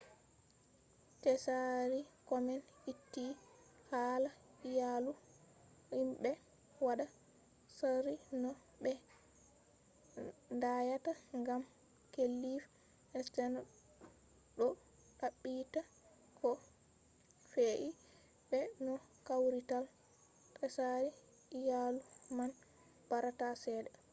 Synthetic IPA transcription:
tɛsaɾikɔmɛnitːi | haːlaijalu | himbɛ | waɗa | saɾinɔ | bɛ | ndajataŋɡam | kelːif | ɛstɛn | ɗɔ | ɗaɓːita | kʰɔ | feʔi | bɛnɔkawɾital | pɛsaɾi | jaluman | b̥aɾatasɛːdɛ

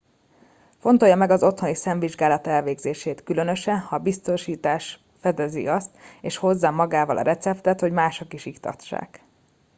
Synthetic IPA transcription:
fo̞nt̪o̞jːɒmɛɡɒzo̞t̪ho̞nisɛɱviʒɡaːlɒt̪ɛlveːɡzeːʃeːt̪kylø̞nø̞ʃɛnhɒbist̪o̞ʃiːt̪aːʃ | fɛd̪ɛzḭɒst̪eːʃho̞zːɒmɒɡaːvɒlʔɒ̰ɾʔɛt̪sɛp̚t̪ɛt̪ho̞ɟmaːʃokiʃikt̪ɒ̰t͡ʃːa̰ːk

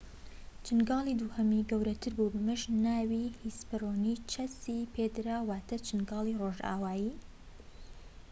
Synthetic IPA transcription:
t͡ʃʰɨnɡɑːlˠiːd̪uːhɐmiːɡɐwɾɐt̪ʰɨɾbubɨmɨʃnaːwihispɨroːnit͡ʃʰɐsiːpʰed̪ɾawaːt̪ʰɐt͡ʃʰɨnɡɑːlˠiːroːʒa̰ːwaːjiː

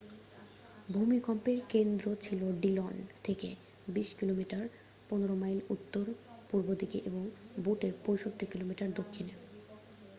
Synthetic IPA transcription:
bʱumikɔmpeɾkend̪ɾot͡ɕʰiloɖilɔnt̪ʰekḛ | biʃkilomiʈaɾ | ponoɾomajlut̪ːoɾpuɾbod̪ikeʔeboŋbuʈeɾpojʃoʈːikilomiʈaɾd̪okʰːine

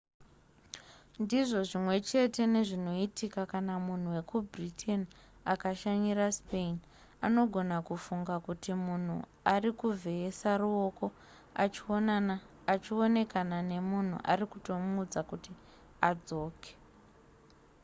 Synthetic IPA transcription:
ndiʐo̞ʐimwe̞t͡ʃe̞te̞ne̞ʐino̞itikakanamun̤uwe̞kubritʰe̞n | akaʃaɲiraspein | ano̞ɡʱo̞nakufuŋɡakutimun̤ṵ | arikuvʱe̞ːsaruo̞ko̞ | at͡ʃio̞ne̞kanane̞mun̤ṵʔa̰rikuto̞mːd͡zakuti | ad͡zo̞ːke̥

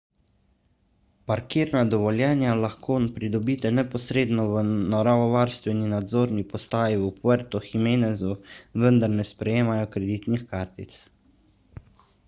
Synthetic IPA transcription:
paɾkiːɾnad̪ɔʋɔljɛːnjalaxkoːnpɾid̪ɔbiːt̪ɛnɛpɔsɾeːd̪nɔʋənɔɾaʋɔʋaːɾst̪ʋɛninad̪zoːɾnipɔst̪aːjiupʋəɾt̪ɔximeːnɛzuʋənd̪aɾnɛspɾɛjeːmajɔkɾɛd̪iːt̪nixkaːɾt̪ḭt̪s

